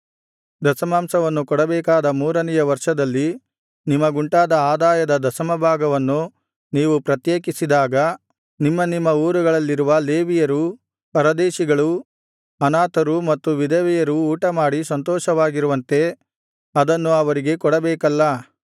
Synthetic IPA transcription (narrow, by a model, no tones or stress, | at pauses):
d̪ɐsɐmaːmsɐʋɐnːukɔɽɐbɛːkaːd̪ɐmuːɾɐnɛjɐʋɐɾʂɐd̪ɐlːi | nimːɐɡuɳʈaːd̪ɐaːd̪aːjɐd̪ɐd̪ɐsɐmɐbʱaːɡɐʋɐnːu | niːʋupɾɐt̪jeːkisid̪aːɡɐ | nimːɐnimːɐuːɾuɡɐɭɐlːiɾuʋɐleːʋijɐɾu | pɐɾɐd̪eːʃiɡɐɭu | ɐnaːt̪ɐɾumɐt̪ːuʋid̪ɐʋɛjɐɾuːʈɐmaːɽisɐnt̪ɔːʃɐʋaːɡiɾuʋɐnt̪e̞ | ɐd̪ɐnːuɐʋɐɾiɡe̞kɔɽɐbɛːkɐlːɐ